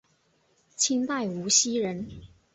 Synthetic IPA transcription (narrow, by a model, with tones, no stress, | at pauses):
t͡ɕʰi˥ŋt̪a˥˩ɪu˧˥ɕi˥ɻə˧˥n